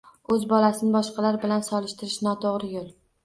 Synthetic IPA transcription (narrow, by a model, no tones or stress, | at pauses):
ɵzbɒlasɪnɪbɒʃqʰɑlaɾbɪlansɒlɪʃt̪ɪɾɪʃnɒt̪ʰoʁɾɪjolˠ